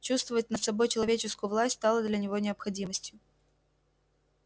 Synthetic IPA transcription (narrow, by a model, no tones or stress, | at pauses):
t͡ɕust̪vəvət̚ʲnət̪sɐbo̞jt͡ɕɪlˠɐvʲet͡ɕɪskʊjʊvlˠasʲtʲst̪ɑlˠəd̪lʲɐnʲɪvo̞nʲɪəpxɐdʲiməsʲtʲjʊ